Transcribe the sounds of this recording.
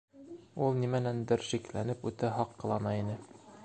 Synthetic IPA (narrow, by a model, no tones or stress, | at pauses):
ulˠnimænænd̪ɘɾʃiklænɘpʉt̪æɦɒqːɤ̆lˠɑnɑinɘ